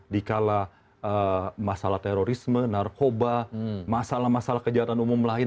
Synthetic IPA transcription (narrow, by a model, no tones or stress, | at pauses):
dikala | əmasalaht̪eɾoɾismənarkobamasalahmasalahkəd͡ʒat̪anumumlaɪ